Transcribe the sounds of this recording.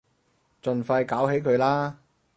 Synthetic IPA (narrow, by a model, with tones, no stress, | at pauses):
t͡ʃɵ˧nfɐ˧jkaː˨˥wɦe˨˥jkʰɵ˨˧ɥlaː˥